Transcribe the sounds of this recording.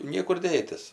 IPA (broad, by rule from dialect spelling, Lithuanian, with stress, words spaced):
ˈnʲiɛkʊr ˈdʲeːtʲɪs